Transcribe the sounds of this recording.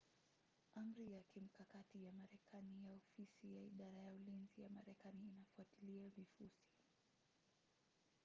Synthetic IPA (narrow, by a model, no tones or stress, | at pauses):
ʔam̩ɾijakim̩kakatijamaɾɛkʰanijaɔfisijaiɗaɾajaulinzijamaɾɛkaniːnafuatiliavifusi̥